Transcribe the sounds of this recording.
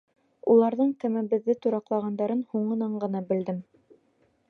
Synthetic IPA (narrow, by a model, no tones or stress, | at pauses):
ulˠɑɾðɤɴt̪æmæbɘ̆ðːɘt̪uɾɑqlˠɑʁɑnd̪ɑɾɤnhuɴɤ̆nɑɴɢɤ̆nɑbɘ̆ld̪ɘm